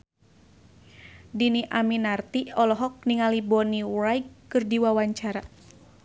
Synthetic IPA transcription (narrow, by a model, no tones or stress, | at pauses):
diniʔaminart̪iɔlɔɦɔk̚niŋalibɔnirajkːɨrdiwawaɲt͡ʃaɾa